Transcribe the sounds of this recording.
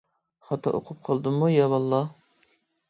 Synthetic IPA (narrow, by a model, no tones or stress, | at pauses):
χɑt̪ʰɑ̰ʔo̰qʰʊp̚qʰɑlˠd̪ɨmujɑbɑlˠːɑ